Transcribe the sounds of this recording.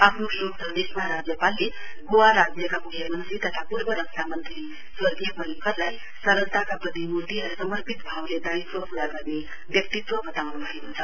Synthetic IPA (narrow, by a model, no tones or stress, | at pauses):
apʰnuʃokd̪əd̪esməɦaɾad͡zjəpalːi | ɡoʋaɾad͡zjəkapukʰjəmənt̪ɾit̪ət̪ʰapuɾbəɾəksʰamənt̪ɾi | sʋəd̪ijməlikəɾlaj | səɾəlt̪akapəd̪ʱimot̪iasəməɾpit̪bʱaʋled̪aitʋəpuɽaɡəɾni | bjək̚t̪it̪ʋəbʱət̪awnulaɦiɦunt̪ʰa